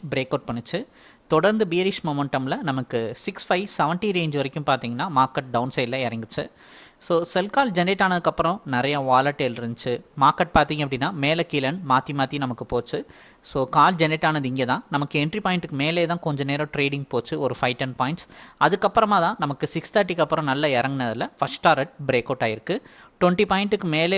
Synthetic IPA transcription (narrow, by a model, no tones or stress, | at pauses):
bɪɾeːkːɐʊʈ̚pɐɳːɯt͡ʃːɯ | t̪ɔɽɐɾnd̪ɯbijɐɾɪʂmoːmɛɳʈɐmlɐnɐmɐkːɯsɪksfɐɪsɛʋɐɳʈiɾeːɲd͡ʒʋɐɾɪkːɯmpaːɾt̪iːŋɡɐnːaːmaːɾkɐʈ̚ɖɐʊnsɐɪlːɐɛɾɐŋɡɯt͡ʃːɯ̰ | soːsɛlkaːld͡ʒɛnɾeʈːaːnɐðɯkːɐpːɯɾɔ̃nɪɾɐjaʋaːlɐʈːeɪlɾɯnɯt͡ʃːɯmaːɾkːɐʈ̚paːɾt̪iːŋɡɐpːɐɽɪnːaːmeːlɛkɪlɐɳmaːt̪imaːt̪ːinɐmɐkːɯpoːt͡ʃːɯ | soːkaːld͡ʒɛnɪʈːaːnɐðɯɪŋɡeːt̪ãːnɐmɐkːɯɛɳʈɾipaːjɪɳʈɯkːɯmeːleːt̪ãːkɔɲd͡ʒɐneːɾɐ̃ʈɾeːɽɪ̃ŋɡpoːt͡ʃːɯɔɾɯfɐɪʈːɐnpaːjɪɳʈsɐðɯkːɐpːɯɾɐmaːt̪ãːnɐmɐkːɯsɪkst̪aːʈːikːɐpːɯɾɔ̃nɐlːɐɛɾɐŋɡɪnɐðɪlɐfɐsʈːaːɾɐʈ̚bɾeːkoːʈːaːjɪɾɯkːɯ | ʈwɔɳʈipaːɪɳʈɯkːɯmeːleː